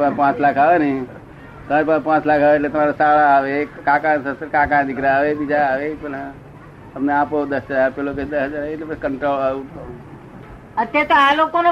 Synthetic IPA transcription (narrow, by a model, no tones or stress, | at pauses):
pãpãːt͡ʃlakʰaːʋeni | t̪ɐmaːɾepãːpãːt͡ʃlakʰaːʋeelẽt̪ɐmaːɾasaːɽaːʋekãːkãːsət̪əɾkãːkãːñd̪ɪkɾaːʋebid͡ʒaːʋepəla | əpneaːpod̪əszaːɾpeloked̪əsɦəd͡ʒaːɾeʈlebəskəɳʈɾoːlaːut̪o | ət̪et̪alokone